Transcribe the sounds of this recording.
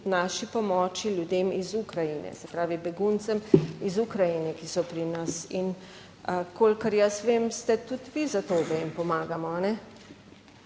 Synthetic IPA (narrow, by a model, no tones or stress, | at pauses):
naːʃipɔmɔːt͡ʃiljud̪eːmizukɾajinɛ̰sɛpɾaːʋibɛɡunt̪sɛmizukɾajinɛkisɔpɾinasin | kolkəɾjasʋeːmst̪ɛt̪ut̪ʋizat̪oːbɛimpɔmaːɡamɔanɛ